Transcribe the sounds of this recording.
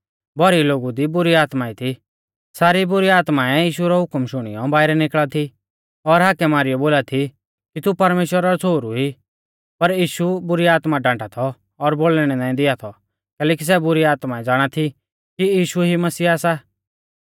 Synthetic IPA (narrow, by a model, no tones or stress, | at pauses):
bɔɾiloːɡud̪ibʊɾiaːt̪mait̪ʰi | saːɾibʊɾiaːt̪maɛjiːʃuɾɔɦʊkmʃʊɽ̃ɪ̰jɔbaːɪɾɛnɪkɭat̪ʰi | ɔɾɦaːkɛmaːɾɪjɔboːlat̪ʰi | kit̪upɐɾmeːʃwəɾaɾɔt͡sʰoːɾuɦi | pɐɾjiːʃubʊɾiaːt̪maɖãːʈat̪ʰɔː | ɾboːɭɽ̃ɛnãːĩd̪ɪat̪ʰɔ | kɛːlɛːk̬is̬ɛbʊɾiaːt̪maɛd͡zaːɽ̃at̪ʰi | kiiːʃuɦimɐsiːaːsa